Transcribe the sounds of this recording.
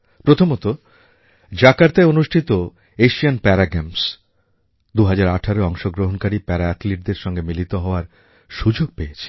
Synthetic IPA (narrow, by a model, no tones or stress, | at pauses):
pɾot̪ʰomot̪o | d͡ʑakaɾt̪eonuʃʈʰit̪o | eʃianpɛɾaɡems | d̪uɦad͡ʑaɾaʈʰaɾoɔŋʃoɡɾoɦonkaɾipɛɾaat̪liʈ̚d̪eɾʃɔŋɡemilit̪oɦɔoaɾ | ʃud͡ʑoɡ̚peet͡ɕʰe̥